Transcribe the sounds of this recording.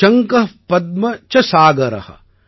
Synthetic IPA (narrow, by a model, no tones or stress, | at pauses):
ɐŋkɐpɐd̪̚mɐt͡ʃɐsaːɡɐɾɐ̰hɐ̰